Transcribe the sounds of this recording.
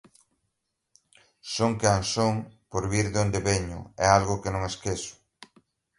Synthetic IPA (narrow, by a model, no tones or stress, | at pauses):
soŋkansoŋpoɾβiɾðond̪eβeɲʊ̰ɛalɣʊkenõŋeskesʊ̥